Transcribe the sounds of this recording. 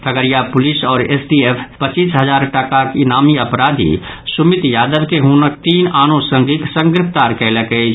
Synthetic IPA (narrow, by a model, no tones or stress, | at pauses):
t̪ʰəɡəɾjapʊlisɔːɾeːsɖieːpʰpət͡ʃiːsɦəzaːɾʈəkakɪnaːmiɐpɾaːd̪ʱḭ | sʊmɪt̪jaːd̪əʋkeɦuːnək̚t̪iːnaːnõsə̃ŋɡɪksə̃ŋɡɾɪpʰt̪aːɾkɛɦlekəe